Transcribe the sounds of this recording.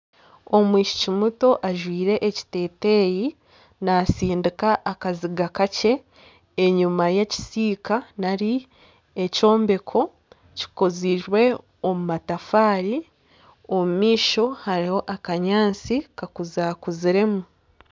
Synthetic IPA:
o̞mwiːʃi̥cimuto̞ʔaʒwiːɾe̞ʔːci̥te̞ːte̞ːji | nasiːndikaʔːkaziɡakace̞ː | ɲumajeci̥siːkanaɾi | eco̞ːmbe̞kʰo̞ | ci̥koziɾwe̞ | omumatafaːɾi | omumiːʃo̞haɾiho̞ʔakaɲaːnt͡sikakuzakuziɾe̞mu

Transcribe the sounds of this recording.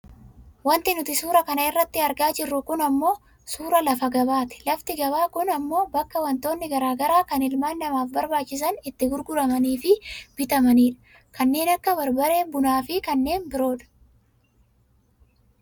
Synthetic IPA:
wɐnt̪ɪnʊt̪ɪsuːɾɐkɐnɐɪrːɐt̪ːɪɐɾɡaːd͡ʒɪrːʊkʊnɐmːo̞ː | suːɾɐlɐfɐɡɐbaːt̪ɪ̥lɐft̪ɪɡɐβaːkʊnɐmːo̞ːbɐkːɐwɐnt̪o̞ːnːɪɡɐɾaːɡɐɾaːkɐnɪlmaːnːɐmaːfbɐɾbaːt͡ʃːɪs̬ɐnɪt̪ːɪɡʊɾɡʊɾɐmɐniːfɪb̥ɪt̪ɐmɐniːᶑɐ̥ | kɐnːe̞ːnɐkːɐbɐɾbɐɾe̞ːnbʊnaːfɪkɐnːe̞ːnbɪɾo̞ːᶑɐ̥

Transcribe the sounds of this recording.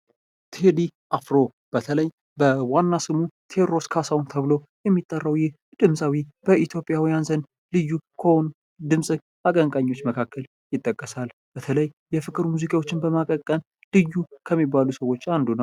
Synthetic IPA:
t̪ʰed̪iʔafɾo̞ | b̥ət̪ʰələj | bəwanːasɨmut̪ʰe̞ɾɾo̞skʰasawnt̪ʰəβɨlo̞ | jɛmːit̪ʼːərːəwjɪh | d̪̥ɨmsʼawib̥əit̪ʰjo̞pʼɪjawijanzən | lɨjːukʰown | d̪ɨmsʼɨ | akʼəŋkʼaɲːo̞t͡ʃːməkʰakːəl | jɪt̪ʼːəkʼːəsal | b̥ət̪ʰələjːɛfɨkʼɨɾmuzikʰʼawo̞t͡ʃːɪnbəmakʼəkʼːən | lɨjːukʰəmːibːalusəwo̞t͡ʃːand̪unəw

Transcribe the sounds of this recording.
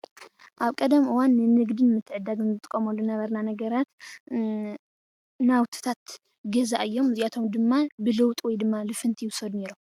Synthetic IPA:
ʔaβkʼɐd̪ɐmʔɨwanːɨnɨɡd̪ɨnmɨt̪ʰːɨʕɨd̪aɡɨnzɨt̪ʼɨkʼːɐmɐlːunɐβɐɾnanɐɡɐɾat̪ | nawt̪ʰɨ̥t̪ʰat̪ | ɡɐzaʔɨjːo̞mɨzijat̪ʰo̞md̪ɨmːabɨlɨwt̪ʼwɔjd̪ɨmːalɨfɨnt̪ʰijwʊsɐd̪ne̞ɾom

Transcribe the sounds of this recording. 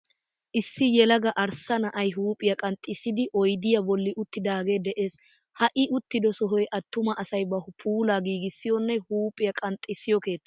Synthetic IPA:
ʔɪsːɪjɛlɐɡɐʔɐɾsɐnɐʔɐjɦuːpʼɪjɐkʼɐnt̪ʼːɪsːɪd̪ɪʔɔjd̪ɪjɐbɔlːɪʔʊt̪ːɪd̪aːɡeːd̪ɛʔe̞ːs | hɐʔɪʔʊt̪ːɪd̪ɔsɔɦɔjʔɐt̪ːʊmɐʔɐsɐjbɐhʊpʰuːlaːɡiːɡɪsːɪjɔnːɛhuːpʼɪjɐkʼɐnt̪ʼːɪsːɪjɔke̞ːt̪ːɐ̥

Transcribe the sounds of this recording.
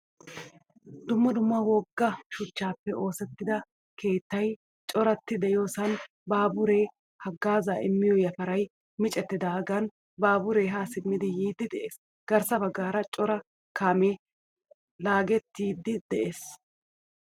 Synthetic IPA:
d̪ʊmːɐd̪ʊmːɐwɔɡːɐʃʊt͡ʃːaːpːɛʔo̞ːsɛt̪ːɪd̪ɐ | ke̞ːt̪ːɐj | t͡ʃʼɔɾɐt̪ːɪd̪ɛjo̞ːsɐn | baːbʊɾe̞ː | hɐɡːaːzaːɪmːɪjojɐfɐɾɐj | mɪt͡ʃʼɛt̪ːɪd̪aːɡɐn | baːbʊɾe̞ːɦaːsɪmːɪd̪ɪjiːd̪ːɪd̪ɛʔeːs | ɡ̥ɐɾsɐbɐɡːaːɾɐt͡ʃʼɔɾɐ | kʰaːmeː | laːɡɛt̪ːiːd̪ːɪd̪ɛʔeːs

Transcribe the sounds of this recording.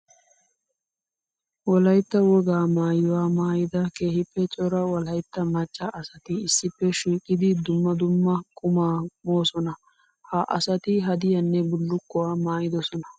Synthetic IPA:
wɔlɐjt̪ːɐwɔɡaːmaːjɔwaːmaːjɪd̪ɐke̞ːhɪpːɛt͡ʃʼɔɾɐwɔlɐjt̪ːɐmɐt͡ʃʼːɐʔɐsɐt̪ɪɪsːɪpːɛʃiːkʼːɪd̪ɪd̪ʊmːɐd̪ʊmːɐkʼʊmaːmoːsɔnɐ | hɐʔɐ̰sɐt̪ɪɦɐd̪ɪjɐnːɛbʊlːʊkːɔwaːmaːjɪd̪ɔsɔnɐ

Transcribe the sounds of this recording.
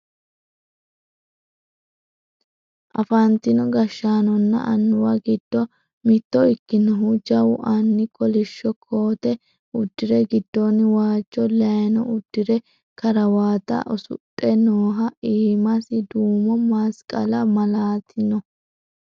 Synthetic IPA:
ʔɐfant̪ɪnɔɡɐʃːaːnɔnːɐ̰ʔɐnːʊwɐɡɪd̪̥ːɔ | mɪt̪ːɔɪkːɪnɔɦʊd͡ʒɐwʊʔɐnːɪkʼɔlɪʃːɔkʰo̞ːt̪ɛ | ʊd̪ːɪɾɛɡɪd̪ːɔnwaːt͡ʃʼːɔlɐnɔ̰ʊd̪̥ːɪɾɛ | kɐɾɐwaːt̪ɐ̰ʔɔsʊ̰tʼːɛnoːɦɐiːmɐsɪd̪uːmɔmaːskʼɐlɐmɐlaːt̪ʰɪnɔ

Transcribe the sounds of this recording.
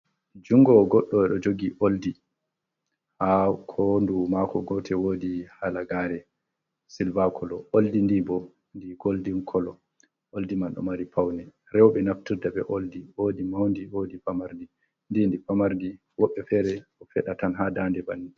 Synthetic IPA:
d͡ʒuŋɡɔɡɔɗːɔɛɗɔd͡ʒoɡiʔoldi | hakʰɔndumakɔɡɔtʰɛwodihalaɡaɾɛ | silvakʰɔlɔʔoldindibɔ | ndiɡoldinkʰɔlɔ | ʔoldimanɗɔ̰maɾipʰawnɛ | ɾɛwɓɛnaftiɾdaɓɛʔoldiwodimawndiwodifamaɾdi | ndindifamaɾdi | wɔɓːɛfɛɾɛɔfɛɗatanɦadandɛbani

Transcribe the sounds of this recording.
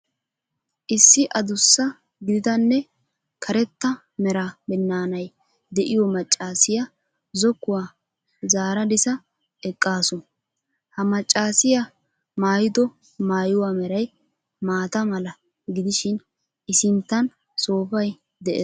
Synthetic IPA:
ʔɪsːɪʔɐd̪ʊsːɐ | ɡɪd̪ɪd̪ɐnːɛ | kʰɐɾɛt̪ːɐ | mɛɾɐbɛnːaːnɐj | d̪ɛʔɪjɔmɐt͡ʃʼːaːsɪjɐ | zɔkːʊwaː | zaːɾɐd̪ɪsɐ | ɛkʼːaːsʊn | hɐmɐt͡ʃʼːaːsɪjɐ | maːjɪd̪ɔ | maːjʊwamɛɾɐj | maːt̪ɐmɐlɐ | ɡɪd̪ɪʃɪn | ʔɪsɪnt̪ːɐn | so̞ːfɐj | d̪ɛʔeː

